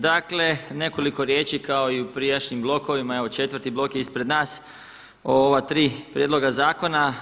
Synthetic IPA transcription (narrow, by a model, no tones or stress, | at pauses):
d̪akle̞ne̞ko̞liko̞ɾje̞ːt͡ʃikao̞iupɾijaʃɲimblˠo̞ko̞ʋimae̞ʋo̞t͡ʃe̞t̪ʋəɾt̪iblˠo̞kjeispɾe̞d̪naːs | ooʋat̪ɾiːpɾjed̪lˠo̞ɡazaːko̞na